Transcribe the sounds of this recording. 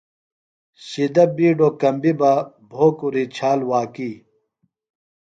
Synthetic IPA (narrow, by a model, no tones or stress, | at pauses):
ɕid̪ɐbiːɖokɐmbibɐ | bʱoːkuɾit͡ɕʰaːlwaːkiː